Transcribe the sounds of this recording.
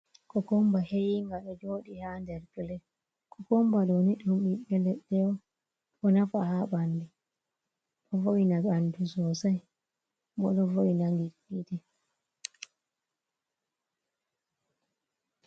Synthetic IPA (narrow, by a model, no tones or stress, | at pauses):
kɔkɔmbahejiŋɡaɗɔd͡ʒoːɗihandɛɾkilɛ | kɔkɔmbaɗoniɗumɓiɓɛlɛɗːɛwɔ | ɗɔnafahaɓandɛ | ɗɔvoinaɡandusɔsaj | mɔ̰ɗɔvoinaŋɡi | itɛ